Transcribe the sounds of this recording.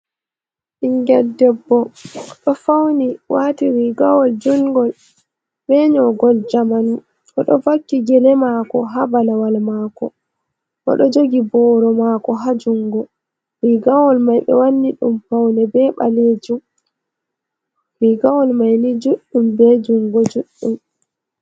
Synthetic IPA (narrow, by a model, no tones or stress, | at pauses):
ʔiŋɡɛldɛbːɔɗɔfawniwatiɾiɡawɔld͡ʒuŋɡɔl | bɛɲɔɡɔld͡ʒamanu | ʔɔɗɔvakːiɡɛlɛmakɔɦabalawalmaːkɔ̰ | ʔɔ̰ɗɔd͡ʒoɡibɔɾɔmakɔɦad͡ʒuŋɡɔ | ɾiɡawɔlmajɓɛ̰wanːiɗumfawnɛbɛɓa̰led͡ʒum | wiɡawɔlmajnid͡ʒuɗːumbɛd͡ʒuŋɡɔd͡ʒuɗːum